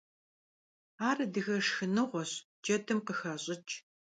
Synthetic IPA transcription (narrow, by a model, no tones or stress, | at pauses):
aːrɐdɨɣɐʂxɨnɨʁʷɔɕ | d͡ʒɐtʰɨmqəxɐɕʼɪt͡ʃʼ